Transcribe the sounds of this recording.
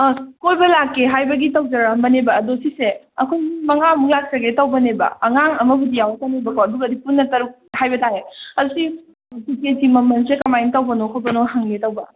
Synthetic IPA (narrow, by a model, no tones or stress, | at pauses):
kojbɐlakːeɦajbɐɡitɐwd͡ʒɐɾɐmbɐnebɐːdosise | ɐkʰojɡimɐŋamuŋlak̚sɐɡetɐwbɐnebɐ̰ɐŋaŋɐmɐbudijawatanebɐkoɐduɡɐdipunːɐtɐɾuk̚hajbɐtaɦeɐdusi | siketimɐmɐnsekɐmajintɐwbɐnokʰojbɐnohaŋletɐwbɐ